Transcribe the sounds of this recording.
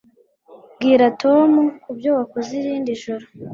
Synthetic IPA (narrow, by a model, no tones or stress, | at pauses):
ɡiːɾatʰo̞mukubjowakoziɾiːndiʒuɾo